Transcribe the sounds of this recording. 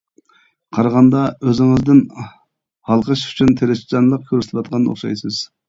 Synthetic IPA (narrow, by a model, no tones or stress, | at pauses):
qʰɑɾɑʁɑnd̪ɑøzɪŋɪzd̪ɪn | hɑlˠqʰəʃy̥t͡ʃʰynt̪ʰeɾɪsd͡ʒɑnlˠəq̚kʲʰøɾst̪ʰpwɑt̪̚qʰɑnːɨo̰χʃɑ̰jsɨz̥